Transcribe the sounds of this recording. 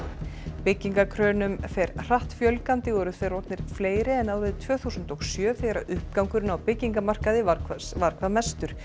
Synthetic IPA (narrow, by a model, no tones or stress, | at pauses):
pɪcːiŋkakʰɾœːnʏmfɛɾr̥aht̪fjœlkant̪ɪɔɾʏðfɛɾɔwt̪nɪɾ̥fleːjɾɪɛnaːwɾɪðt̪ʰv̥œːθusʏnt̪ɔɣsjœːfɛjɾa̰ʔʏhp̚kawŋkʏɾɪnawpɪcːiŋkamar̥kaðɪaavaɾkʰvamɛst̪ʏɾ̥